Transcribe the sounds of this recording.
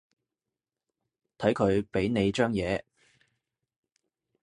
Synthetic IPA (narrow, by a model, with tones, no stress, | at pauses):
t̪ʰɐ˨˥jkʰɵ˨˧ɥpe˨˥jne˨˧jt͡ʃœː˥ŋjɛː˨˧